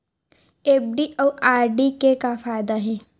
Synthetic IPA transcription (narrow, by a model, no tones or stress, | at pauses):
eːb̚ɖiʔɔːaːɾɖikekafaːjd̪aɦɛ̃ː